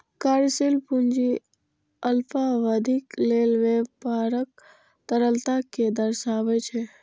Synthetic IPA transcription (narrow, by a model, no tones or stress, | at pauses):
kaɾsilpund͡ʒi | əlpʰaʋəd̪ʱiklelʋepaɾək̚ | t̪əɾəlt̪aked̪əɾʃaʋɛt͡ʃʰɛ